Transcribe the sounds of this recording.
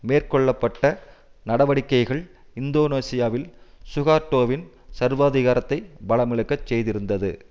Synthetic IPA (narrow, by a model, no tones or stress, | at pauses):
meːrkɔɭːɐpːɐʈːɐnɐɽɐʋɐɽɪkːɐɪɣɐɭ | ɪnd̪oːnoːsɪjaːʋɪlsʊɣaːɾʈːoːʋɪn | sɐɾʋaːðɪɣaːɾɐt̪ːɐɪbɐɭɐmɪɭɯkːɐt͡ʃːsɛjðɪɾɯnd̪ɐðɯ